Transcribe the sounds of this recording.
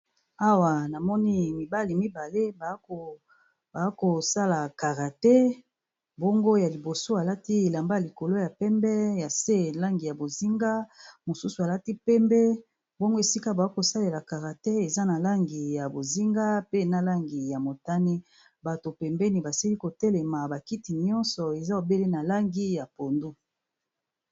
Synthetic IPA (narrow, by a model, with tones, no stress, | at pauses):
a˦wa˨na˨mɔ˦ni˦mi˨ba˦li˨mi˦ba˨le˦bo˨ | ba˨˦ko˨sa˦la˨ka˨ʁa˨tɛ˦ | bɔ˦ŋɡo˦ja˨li˨bo˨so˦a˨la˦ti˦e˨la˨mba˦a˨i˨ko˨lo˦ja˨pɛ˦mbɛ˦ja˨se˦la˦ŋɡi˨ja˨bo˨zi˦ŋɡa˦mo˨su˦su˨a˨la˦ti˦pɛ˦mbɛ˦ | bo˦ŋɡo˦e˨si˦ka˦ba˨o˦ko˨sa˦le˨la˨ka˨ʁa˨te˦e˨za˦na˨la˦ŋɡi˨ja˨bo˨zi˦ŋɡa˦pe˦na˦la˦ŋɡi˨ja˨mo˨ta˦ni˦ | ba˨to˨pɛ˨mbɛ˦ni˨ba˨si˦li˦ko˨tɛ˦lɛ˨ma˨ba˨ki˦ti˨ɲɔ̃˦nsɔ˨e˨za˦o˨be˦le˦na˨la˦ŋɡi˦ja˨po˨ndu˦